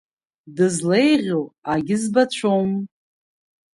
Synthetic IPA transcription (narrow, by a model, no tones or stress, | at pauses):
dɨzle̞jʁʲoaɡʲɪzbat͡ɕʷʰom